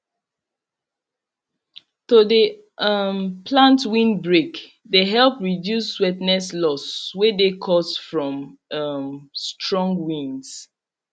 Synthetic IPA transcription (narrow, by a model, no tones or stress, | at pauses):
todə | ʌmpʰlãntwĩnbɹek | deɦɛlpɹidjusːwɛtnɛslɔswedekʰɔstfɹɔ̃mʌmstʰɹɔ̃ŋɡwĩns